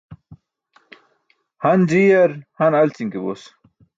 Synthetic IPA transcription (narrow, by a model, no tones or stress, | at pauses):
hɐnd͡ʑijɐɾhɐnɐlt͡siŋkebo̰s